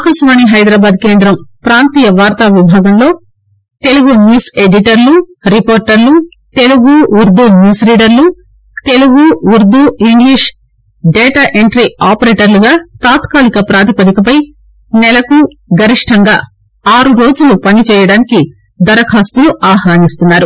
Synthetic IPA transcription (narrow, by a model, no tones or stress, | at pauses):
kɐʃʋaːniɦɐjd̪ɾaːbaːd̪̚ke̞ːnd̪ɾɐmpɾaːnt̪iːjɐʋaːɾt̪aʋibʱaːɡɐmlo̞ː | t̪e̞luɡunjuːse̞ɖiʈɐɾluɾipoːɾʈɐɾlu | t̪e̞luɡuʋuɾd̪ʱunjuːsliːɖɐɾlu | t̪e̞luɡuʋuɾd̪uiŋɡliʂ | ɖɛːʈaʔeɳʈɾiaːpɐɾeːʈɐɾluɡaːt̪aːt̪kaːlikɐpɾaːt̪ipɐd̪ikɐpɐj | nɛlɐku | ɡɐɾiʂʈʰɐŋɡa̰ː | aːɾuɾo̞ːd͡ʒulupɐnit͡ʃɛːjɐɽaːniki | d̪ɐɾɐkʰaːst̪uluʔaːɦaːnist̪unːaːɾu